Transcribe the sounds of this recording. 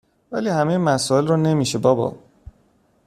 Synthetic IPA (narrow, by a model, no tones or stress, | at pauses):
væliːhæmejemæsɔːe̞lrɔne̞miːʃebɒːbɒ̰